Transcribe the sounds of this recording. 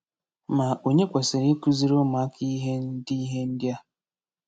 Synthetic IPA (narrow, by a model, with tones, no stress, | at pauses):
ma˨o˨ɲe˦kʷa˨se˨ɾi˦ku˦zi˦ɾo˦ma˨˦kʰi˦ɦe˦n̩˦di˦ɦe˦n̩˦dja˦